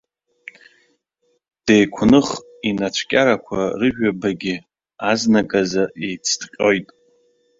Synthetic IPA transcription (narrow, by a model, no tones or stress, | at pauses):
d̥ejkʷʰnɨχ | inat͡ʃʷʰkʲʼaɾakʷʰa̰rɨʒᶣabaɡʲɪ | aznaɡʼazaʔejt͡sʰdqʲʼo̞jtʼ